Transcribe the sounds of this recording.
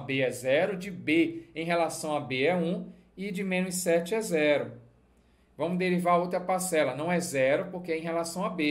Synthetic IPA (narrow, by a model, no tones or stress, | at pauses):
beɛzɛɾʊd͡ʒɪbeẽj̃ɦelasɐ̃w̃abeɛũ | ɪd͡ʒɪmẽnʊ̃sɛt͡ʃɪɛzɛɾʊ | vɐ̃mʊzd̪eɾivaɾɐowt̪ɾɐpaɾsɛlɐnɐ̃w̃ɛzɛɾʊpoɾkeẽj̃ɦelasɐ̃w̃abe